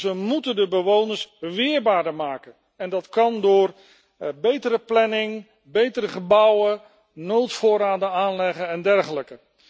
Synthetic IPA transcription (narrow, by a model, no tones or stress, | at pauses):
zəmutəndəbəʋownəɹsʋɪːɹbaːdəɹmaːkən | ɛndɑtkɑndʊːr | bejtəɾəplɛnɪŋ | bejtəɾəχəbʌwə | nowtfʊːɾaːdənaːnlɛχənɛndɛrχələkə